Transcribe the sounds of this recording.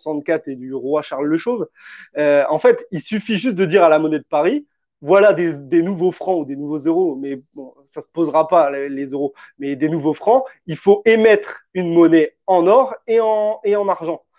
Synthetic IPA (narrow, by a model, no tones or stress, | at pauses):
sɑ̃t̪̚kat̪ed̪yʁwaʃaʁlːəʃov | øɑ̃fɛt̪ilsyfiʒyst̪̚d̪əd̪iʁalamɔnɛd̪əpaʁi | vwalad̪ed̪enuvofχɑ̃ud̪enuvozeʁomɛbɔ̃ | sasə̥pozʁapalelezeʁomɛd̪enuvofχɑ̃ilfoʔemɛt̪χynmɔnɛɑ̃nɔʁeɑ̃eɑ̃naʁʒɑ̃